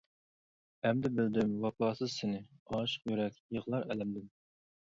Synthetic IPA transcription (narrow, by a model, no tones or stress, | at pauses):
ɛmd̪ɪbɪld̪ɪmwɑpɑːsɨzsɪnɪɑːʃə̥qjyɾɛkʲjəʁlˠɑɾɛlɛmd̪ɪm